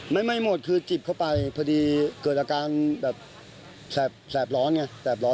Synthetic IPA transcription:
ma˥˩jma˥˩jmo˨˩t̪̚kʰɯː˧t͡ɕi˨˩p̚kʰa˥˩wpa˧jpʰa˧diː˧kɤː˨˩t̪̚ʔaː˧kaː˧nbɛː˨˩p̚ | sɛː˨˩p̚sɛː˨˩p̬̚lɔː˦˥nŋa˧˥˩sɛː˨˩p̬̚lɔː˦˥

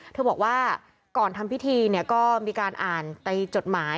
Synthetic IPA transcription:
t̪ʰɤː˧bɔː˨˩k̚waː˥˩ | kɔː˨˩nt̪ʰa˧mpʰi˦˥t̪ʰiː˧ni˥˩əkɔː˥˩miː˧kaː˧nʔaː˨˩nt̪a˧jt͡ɕo˨˩t̪̚maː˩˦˥j

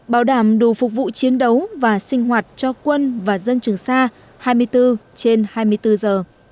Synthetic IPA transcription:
ɓaː˨˦wɗaː˧˩mɗu˨˩fʊ˨˩k̚vṵ˧˨t͡ɕi˨˦ənɗə˨˦wvaː˨˩sï˧ŋ̟ɦwaː˨˩t̚t͡ɕɔ˧kwə˧nvaː˨˩zə˧nt͡ɕɨ˨˩əŋsaː˧ | haː˧jmɨ˧əjt̪ɨ˧t͡ɕe˧nhaː˧jmɨ˧əjt̪ɨ˧zəː˨˩

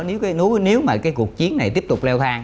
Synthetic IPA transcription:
ne˨˦wkːnu˨˦ne˨˦wmaː˨˩kaː˨˦jku˨˩ək̚t͡ɕi˨˦ənːa˨˩jt̪i˦˥əp̚t̪ʊ˨˩k͡p̚lɛ˧wt̪ʰaː˧ŋ

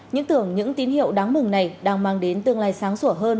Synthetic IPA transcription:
ɲɨ̰˧˥ŋt̪ɨ˧˩əŋɲɨ̰˧˥ŋt̪i˨˦ənhḭ˧˨əwɗaː˨˦ŋmɨ˨˩ŋna˨˩jɗaː˧ŋmaː˧ŋɗe˨˦nt̪ɨ˨˩əŋlaː˧˨jsaː˨˦ŋsu˧˩əɦəː˧n

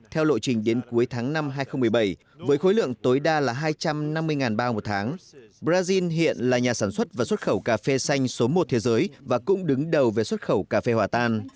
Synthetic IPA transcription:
t̪ʰɛ˧wlo̰˧˨t͡ɕï˨˩ŋ̟ɗe˨˦nku˨˦əjt̪ʰaː˨˦ŋna˧mɦaː˧jxə˧wŋ͡mmɨ˨˩əjɓə˧˩j | vəː˨˦jxo˨˦jlɨ̰˧˨əŋt̪o˨˦jɗaː˧laː˨˩ɦaː˧jt͡ɕa˧mna˧mːɨ˧əjŋaː˨˩nɓaː˧mo˨˩t̚t̪ʰaː˨˦ŋɓɾaː˧zi˧nɦḭ˧˨ənlaː˨˩ɲaː˨˩saː˧˩nswə˦˥t̚vaː˨˩swə˦˥t̚xə˧˩wkaː˧˩fe˧sa˧jŋ̟so˨˦mo˨˩t̚t̪ʰe˨˦zəː˨˦jvaː˨˩kʊ̰˧˥ŋ͡mɗɨ˨˦ŋɗə˨˩wve˨˩swə˦˥t̚xə˧˩wkaː˧˩fe˧hwaː˨˩t̪aː˧n

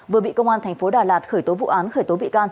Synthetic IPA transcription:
vɨ˨˩əɓḭ˧˨kə˧wŋ͡mʔaː˧nt̪ʰɛ˨˩ŋ̟fo˨˦ɗaː˨˩laː˨˩t̚xəː˧˩jt̪o˨˦vṵ˧˨ʔaː˨˦nxəː˧˩jt̪o˨˦ɓḭ˧˨kaː˧n

